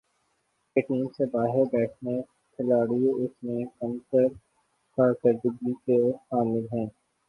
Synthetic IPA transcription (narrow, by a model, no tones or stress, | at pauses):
keʈiːmsebaːɦɪɾbɛːʈʰne | kʰɪlaːɽiʊsmẽkɐ̃msəɾ | kaːɾkəɾd̪ɪɡikexaːmɪlɦɛ̃ː